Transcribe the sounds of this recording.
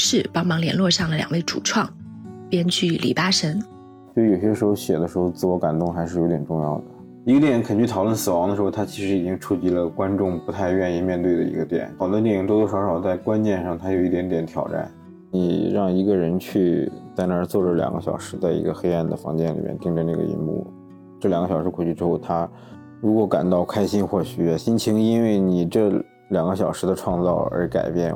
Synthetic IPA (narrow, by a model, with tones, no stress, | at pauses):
ʂɻ̩˥˩pɑ˥ŋmɑ˧˥ŋljɛ˧˥nlwɔ˥˧ʂɑ˥˩ŋd̪ə˩ljɑ̰˨˩ŋwe˥˩ɪʈ͡ʂṵ˨˩ʈ͡ʂʰwɑ˥˩ŋpjɛ˥nt͡ɕʰy˥˩lʔḭ˨˩pa˥ʂə˧˥ŋ | t͡ɕo˥˩˥jo˨˩ʊɕ̬ɛ˥ʂɻxo˥˧ʊɕjɛ˨˩d̪ə˦ʂɻxo˥˧ʊt͡sɹ̩˥˩wɔ˧˥ka˨˩nt̪ʊ˥˩ŋxa˧˥ɪʂɻ̩˥˩jo˧˥ʊt̪jɛ˨˩nʈ͡ʂʊ˥˧ŋjɑ̰˥˩ʊd̪ə˩ | i˧˥ɡə˥˩t̪jɛ˨˥nkʰə˨˩nt͡ɕy˥˩t̪ʰɑ˨˩ʊlwə˥˩nsɹ̩˨˩wɑ˧˥ŋd̪ə˧ʂɻxo˧ʊt̪ʰa˥t͡ɕʰi˧˥ʂɻ̩˧˥i˨˩t͡ɕi˥ŋʈ͡ʂʰu˥t͡ɕi˧˥lə˧kwa˥nʈ͡ʂʊ˥˩ŋpu˧˥t̪ʰa˥˧ɪɥɛ˥˧ni˥˧mjɛ˥˧nt̪we˥˩ɪd̪ə̰˩ḭ˧˥ɡə˧t̪jɛ̰˨˩˦n˨˩d̪ə˥t̪jɛ˨˩ni˧˥ŋt̪o˥˧t̪o˧˥ʂɑ˧˥ʂɑ˨˩ʊt͡sa˥˩ɪkwa˥nt͡ɕjɛ˥˧nʂɑ˥˩ŋt̪ʰa˥jo˨˩ʊi˥˩t̪jɛ˧˥nt̪jɛ˧˥nt̪ʰjɑ̰˨˩ʊʈ͡ʂa̰˥˩n | ni˨˩ɻɑ˥˩ŋi˧˥ɡə˧ɻə˧˥nt͡ɕʰy˥˧t̪ɪnə˧˥t͡swɔ˥˩ʈ͡ʂə˩ljɑ̰˨˩ŋɡə̰˦ɕjɑ̰˨˩ʊʂɻ̩˧˥t͡sa˥˩ɪḭ˧˥ɡə˧xe˥ɪa˥˩nd̪ə˩fɑ̰˧˥ŋt͡ɕjɛ˥˩nlḭ˨˩mjɛ̰˧nt̪i˥˧ŋʈ͡ʂə˧na˥˩ɡə̰˩ḭ˧˥nmṵ˥˩ | ʈ͡ʂɤ˥˩ljŋɡə˥ɕɑ˨ʊʂɻkʰɔ˨˩t͡ɕʰy˥˩ʈ͡ʂɻ̩˥xo˥˩ʊt̪ʰa˥ | ɻu˧˥kwɔ˧˥ka̰˨˩nt̪ɑ˥˩ʊkʰa˥ɪɕi˥nxwɔ˥˩ɕy˧˥˩ɕi˥nt͡ɕʰi˧˥ŋi˥nwe˥˩ɪni˨˩ʈ͡ʂɤ˥˩ | ljɑ˨˩ŋɡə˦ɕ̬jɑ˨˩ʊʂɻ̩˧˥d̪ə˧ʈ͡ʂʰwɑ˥˧ŋt͡sɑ˥˩ʊə̰˞˧˥ka̰˨˩ɪpjɛ̰˥˩n